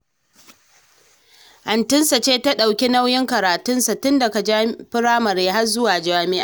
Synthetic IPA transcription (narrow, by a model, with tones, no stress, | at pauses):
hɐ˨ntɪ˦nsa˨t͡ʃeː˦ta˦ɗa˨wkʲi˦na˦wjɪ˦ŋkɐ˨ɾaː˨tʊ˦nsa˨tʊ˦nda˨ka˨d͡ʒaː˦ɸɪ˦ɾaː˦mɐ˨ɾeː˦ɦa˦rzʊ˦waː˨d͡ʒaː˦mɪ˦ʔaː˨